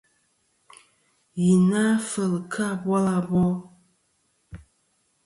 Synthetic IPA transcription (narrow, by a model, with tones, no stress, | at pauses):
ji˨na˦fə˨lkʰa˦˨bwa˦la˨bɔ˦